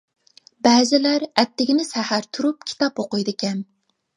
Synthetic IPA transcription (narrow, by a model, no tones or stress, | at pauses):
bɛːzɪlæɾɛt̪ːɪɡʲinɪsæhæɾt̪ʰuɾupkʲʰi̥t̪ʰɑpoqojd̪ɪkʲɛm